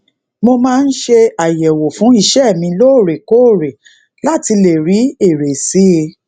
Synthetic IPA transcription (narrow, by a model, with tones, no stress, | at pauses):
mo˧mãː˦˧n̩˦ʃe˧a˨jɛ˨wo˨fũ˨˦i˧ʃɛ˦˨mĩ˧lo˦˨ɾe˨ko˦˨ɾe˨ | la˦˨ti˧le˨ɾi˨˦e˦˨ɾe˨si˦˧